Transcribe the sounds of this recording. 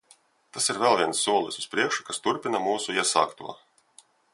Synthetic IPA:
t̪asiɾvɛlˠvʲiɛnsːuɔlˠisuspɾiɛkʃu̥kast̪uɾpʲinamuːsuiɛsa̰ːkt̪ṵɔ

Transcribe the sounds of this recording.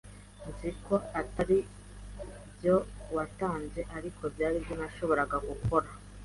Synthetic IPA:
nziko̞ataɾi | bjowataːnze̞ʔaɾikʰo̞bjaːɾibjonaʃo̞βo̞ɾaɡaɡuko̞ɾa

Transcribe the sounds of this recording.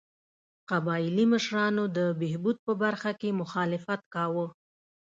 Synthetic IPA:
qabɑɪliməʃɾɑnod̪əbeɦbud̪̚pəbaɾxakemʊxɑlɪfat̪kɑwə

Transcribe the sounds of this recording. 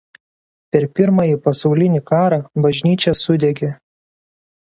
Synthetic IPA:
pʲɛɾpʲɪɾmɑjiˑpɐsɒʊlʲɪnʲiːˑkɑːɾɑbɐʒʲnʲiːt͡ʃʲɛsʊd̪ʲɛɡʲe

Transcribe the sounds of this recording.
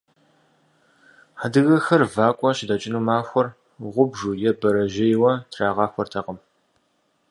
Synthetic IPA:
ħadɨɣɐxɐrvaːkʷʼɔʃɪdɐt͡ʃʼɪnuːmaːxʷɔr | ʁʷʊbʒuːjɛbɐɾɐʒɪjwɐtʰraːʁɑːxʷɔrtʰɐqəm

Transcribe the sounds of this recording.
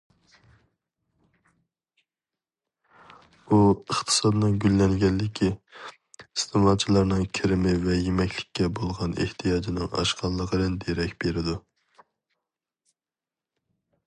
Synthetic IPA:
uəχt̪ʰə̥sɑd̪ɨnɨŋɡʲylːɛnɡʲɛnːɪkʲʰi | ist̪ʰɨmɑt͡ʃʰilˠɑɾnɨŋkʲʰɪɾɪmɪvɛjemɛkʲlɪkʲːɛbolˠʁɑnḛht̪ʰijɑːd͡ʒinɪŋɑ̰ʃqʰɑlˠːəʁəɾɨnd̪eɾɛkʲb̥eɾɪd̪u

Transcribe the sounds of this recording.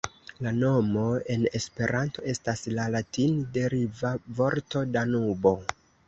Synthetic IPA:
lano̞mo̞e̞ne̞spe̞ɾʔanto̞e̞staslalatinde̞ɾivavo̞ɾto̞danubo̞

